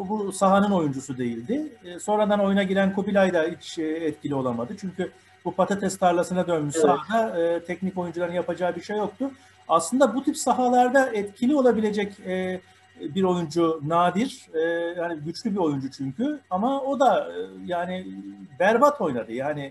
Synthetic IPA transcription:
busaɦanɯno̞jund͡ʒusud̪e̞jilʲd̪ɪso̞nɾad̪ano̞junaɟilʲænkʰubilʲajd̪ailt͡ʃːɛt̪cʰilʲio̞lˠamad̪ɯt͡ʃʰyɲcʰy | bupʰat̪ʰat̪ʰɛskʰaɾlˠasɯnad̪ø̞nmysaad̪aɯːt̪ʰɛcnico̞jund͡ʒulˠaɾɯnjapad͡ʒaːɯbiɾʃejːo̞k̚t̪ʰʊ | aslˠɯnd̪abut̪ʰipsaɦalˠaɾd̪aʔɛt̪cʰilʲio̞lˠabilʲe̞d͡ʒɛcɛː | biɾo̞jund͡ʒunaːd̪iɾ̥ɛːhaniɟyt͡ʃlʲybio̞jund͡ʒut͡ʃʰyɲcʰyamao̞d̪ajaːnɪbæɾbat̪ʰo̞jnad̪ɯjaːnɪ

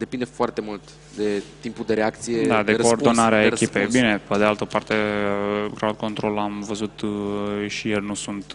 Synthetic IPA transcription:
d̪e̞pind̪e̞foart̪e̞mult̪ | d̪e̞t̪impud̪e̞ɾeakt̪sijed̪ad̪ekoːrdd̪onaɾeaekʲipe̞jbine̞ped̪ealt̪əpart̪e̞ | ɡɾaad̪̚ko̞nt̪ɾo̞lamvəzut̪ | ʃijernusunt̪

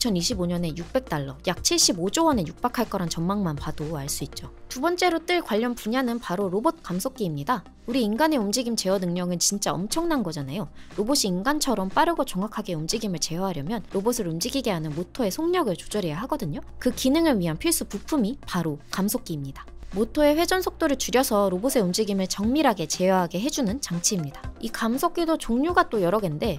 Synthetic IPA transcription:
it͡ɕʰʌniɕʰiboɲʌne̞juk̚p͈e̞k̚t͈aɭːʌjak̚t͡ɕʰiɭɕ͈ibod͡ʑoʌne̞juk̚p͈akʰaɭk͈ʌɾant͡ɕʌnmaŋmanpadoaɭs͈uit̚t͡ɕ͈otubʌnt͡ɕ͈e̞ɾot͈ɯɭkwaʎːʌnpuɲanɯnpaɾoɾobot̚k͈amsʰok͈̚iːmɲida | uɾiːnɡane̞umd͡ʑiɡimt͡ɕe̞ʌnɯŋɲʌŋɯnt͡ɕint͡ɕ͈aʌ̰mt͡ɕʰʌŋnanɡʌd͡ʑanajoɾoboɕ͈ʰiːinɡant͡ɕʰʌɾʌmp͈aɾɯɡot͡ɕʌŋakʰaɡe̞umd͡ʑiɡimɯɭt͡ɕe̞ʌɦaɾjʌmjʌnɾobosʰɯɾumd͡ʑiɡiɡe̞ɦanɯnmotʰoe̞sʰoŋɲʌɡɯɭt͡ɕo̥d͡ʑʌɾejaɦaɡʌdɯɲokɯkinɯŋɯɭɥiɦanpʰiɭs͈upupʰumipaɾokamsʰok͈iːmɲidḁmotʰoe̞ɸwe̞d͡ʑʌnsʰok̚t͈oɾɯɭt͡ɕuɾjʌsʰʌɾobosʰe̞umd͡ʑiɡimɯɭt͡ɕʌŋmiɾaɡe̞t͡ɕe̞jʌɦaɡe̞ɦe̞d͡ʑunɯnt͡ɕaŋt͡ɕʰiimɲidḁikamsʰok̚k͈idot͡ɕoŋɲuɡat͈ojʌɾʌɡe̞nde̞

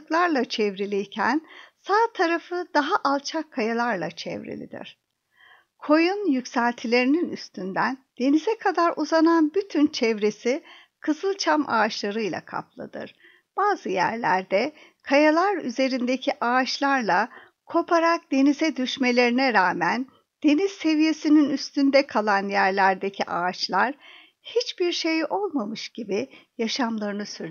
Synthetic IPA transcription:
klˠaɾlˠat͡ʃʰɛvɾilʲijcʰænsaːt̪ʰaɾafɯd̪aɦaʔalˠt͡ʃʰakʰːajalˠaɾlˠa̰t͡ʃʰɛ̰vɾḛlʲḭd̪ḭɾ̝̥ | kʰo̞junjycsælʲt̪ʰilʲe̞ɾininyst̪ʰynd̪ænd̪̥e̞nizɛkʰad̪aɾʔuzananbyt̪ʰynt͡ʃʰɛvɾe̞si | kʰɯzɯlˠt͡ʃʰama̰ːʃlˠaɾɯjlˠa̰kʰa̰plˠa̰d̪ɯ̰ɾ̥ | b̥aːzɯjæ̰ɾlʲæɾd̪ɛkʰajalˠaɾyze̞ɾind̪e̞cʰiʔaːt͡ʃlˠaɾlˠa | kʰo̞pʰaɾak̚d̪e̞nizɛd̪yʃme̞lʲe̞ɾinɛɾaːmæn | d̪̥e̞niz̥se̞vije̞sininyst̪ʰynd̪ɛkʰalˠanjæɾlʲæɾd̪e̞cʰiʔaːt͡ʃlˠaɾ̥ | hit͡ʃbiɾʃe̞jʔo̞lˠmamɯʃɟ̥ibijaʃamlˠaɾɯnɯsyɾ

